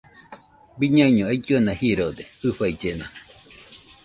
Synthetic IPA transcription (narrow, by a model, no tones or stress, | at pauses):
biɲãiɲõaid͡ʒuanãhiɾod̪ehɨɸaid͡ʒena